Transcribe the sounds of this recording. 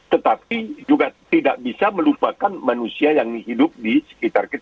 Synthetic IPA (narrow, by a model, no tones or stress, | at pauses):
t̪ət̪apid͡ʒuɡat̪idaʔ̚bisaməlupakanmanusiajaŋiɦidʊp̚disə̥kit̪arkit̪